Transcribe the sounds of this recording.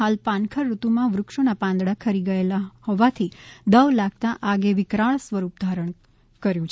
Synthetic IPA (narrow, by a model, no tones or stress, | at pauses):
alpãnkʰəɾːut̪umãʋɾʊkʂonapãnd̪ɽakʰəɾiɡəelahɔʋat̪ʰid̪əʋlaɡ̚t̪aʔaɡeʋɪkɾaɭ̃sʋəɾup̚d̪ʱaɾəɳ | kəɾjũt͡ʃʰ